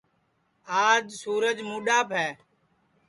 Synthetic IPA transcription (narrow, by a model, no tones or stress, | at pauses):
aːd͡ʒsuːɾəd͡ʒmuːɗaːpʰɦɛː